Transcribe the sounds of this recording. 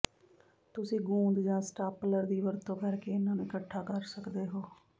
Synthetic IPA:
t̪ʊsĩːɡũːnd̪d͡ʒãːsʈaːpləɾd̪iːʋəɾt̪õːkəɾkeːɪnãːnũːɪkəʈʰːaːkəɾsəkd̪eːɦoː

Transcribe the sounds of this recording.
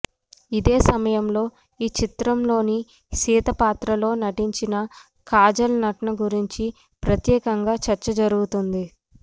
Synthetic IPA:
id̪eːsɐmɐjɐmlo̞ː | iːt͡ʃit̪ɾɐmlo̞ːni | siːt̪ɐpaːt̪ɾɐlo̞ːnɐʈiɲt͡ʃinɐ | kaːd͡ʒɐlnɐʈɐnɐɡuɾiɲt͡ʃi | pɾɐt̪jɛːkɐŋɡaːt͡ʃɐɾt͡ʃɐd͡ʒɐɾuɡut̪und̪i

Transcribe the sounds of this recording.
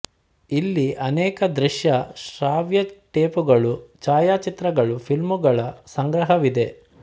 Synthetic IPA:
ilːiʔɐnɛːkɐd̪ɾiʃjɐʃɾaːʋjɐʈeːpuɡɐɭut͡ʃaːjaːt͡ʃit̪ɾɐɡɐɭupʰilmuɡɐɭɐsɐŋɡɾɐɦɐʋid̪e̞

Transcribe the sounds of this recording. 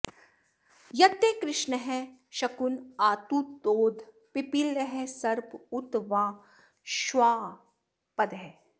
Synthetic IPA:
jɐt̪ːeːkɾɪʃnəɦɛ̃ʃɐkunaːt̪ut̪oːd̪ʱ | pipilːəɦɛsɐɾpʊt̪ʋãː | ʃʋaː | pɐd̪ɦɛ

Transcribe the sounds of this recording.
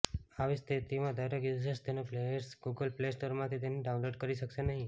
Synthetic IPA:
aʋist̪ʰit̪imãd̪əɾekjusest̪ʰenoplejəɾsɡuɡəlplesʈoɾmãt̪ʰit̪eniɖaũnloɖkəɾiʃəkʃenəɦĩ

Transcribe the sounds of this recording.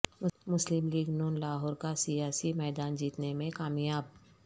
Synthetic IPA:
ʊmʊslɪmliːɡnuːnlaːɦɔːɾkasijaːsimɛːd̪aːnd͡ʒiːt̪nemẽkaːmjaːb̚

